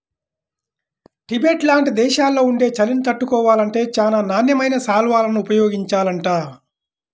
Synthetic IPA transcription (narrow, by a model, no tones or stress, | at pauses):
ʈibeːʈlaːɳʈid̪ɛːʃaːlːo̞ːuɳɖe̞ːt͡ʃɐlinit̪ɐʈːukɔːʋaːlɐɳʈe̞ːt͡ʃaːnaːnaːnjɐmɐjnɐsaːlʋaːlɐnuːpɐjoːɡiɲt͡ʃaːlɐɳʈaː